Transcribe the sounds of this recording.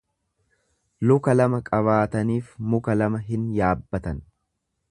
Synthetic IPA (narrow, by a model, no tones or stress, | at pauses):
lʊkɐlɐmɐkʼɐβaːt̪ɐniːfmʊkɐlɐmɐɦɪnjaːbːɐt̪ɐn